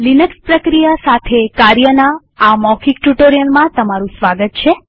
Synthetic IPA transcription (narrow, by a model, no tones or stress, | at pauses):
linəkspɾəkɾijasat̪ʰekaɾjənaː | mɔkʰikʈuʈoɾijəlmãt̪əmaɾũsʋaɡət̪̚t͡ʃʰe